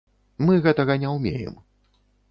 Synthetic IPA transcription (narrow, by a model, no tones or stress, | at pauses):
mɨɣɛt̪ɐɣɐnʲɛwmʲḛjɛ̰m